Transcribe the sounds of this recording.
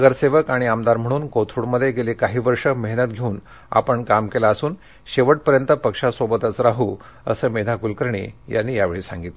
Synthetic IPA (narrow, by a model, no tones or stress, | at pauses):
ɡəɾseʋəkaɽ̃iamd̪aɾm̤əɽ̃uːnkot̪ʰɾuɽməd̪ʱːjeɡelikaɦiːʋəɾʂəməɦnət̪̚ɡʱeuːn | a̰pəɳkamkelaəsuːn | ɕeʋəʈ̚pəɾjənt̪əpəkʂasobət̪ət͡sɾaɦuː | ə̰səːmed̪ʱakulkəɾɳḭja̰nːiːjaʋeɭiːsa̰ŋɡit̪le